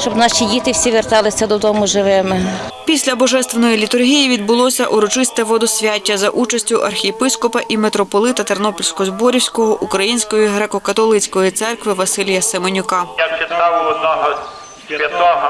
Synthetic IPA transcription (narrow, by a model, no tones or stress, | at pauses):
t͡ʃɔbnɑʃʲidʲit̪ɪwsʲiʋert̪ɑlˠɪsʲɐd̪ɔd̪ɔmʊʒɪʋɪmɪ | pʲisʲlʲɐbɔʒɛst̪ʋenɔjilʲit̪ʊrɦʲijiʋʲid̪̚bʊlˠɔsʲɐʔuɾɔt͡ʃɪst̪ɛʋɔd̪ɔsʲʋʲatʲːɐzɐʔut͡ʃɐsʲtʲʊʔɐrxʲijepɪskɔpɐʔimet̪ɾɔpɔlˠɪt̪ɐt̪ernɔpɔlʲsʲkɔzbɔɾʲiwsʲkɔɦɔʔukɾɐjinʲsʲkɔjiɦɾekɔkɐt̪ɔlˠɪt͡sʲkɔjit̪sɛrkʋɪʋɐsɪlʲjɐsemɔnʲʊkɑjat͡ʃɪt̪ɑwɔd̪nɔɦɔ | iɔɦɐ